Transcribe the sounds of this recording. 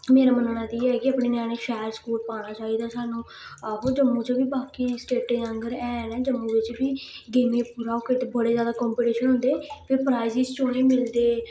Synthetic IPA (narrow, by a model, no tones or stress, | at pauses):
meːɾaːmənːnãːd̪iːɛːkɪəpɳeːnjãːniːʃɛːɾskuːlpaːɽ̃aːt͡ʃaːiːd̪aːsaːnũː | əɦoːd͡ʒəmːũːt͡ʃoːbiːbaːkiːsʈeːʈeːəŋɡəɾɛːnɛ̃ːd͡ʒəmːũːʋɪt͡ʃbiːɡemeːpuːɾaːoːkeʈ̪ebəɽeːd͡ʒjaːd̪aːkɔːmpiːʈiːʃənɦʊ̃nd̪eːpʰeːpʰɾaːizɪst͡ʃoːneːmɪld̪eː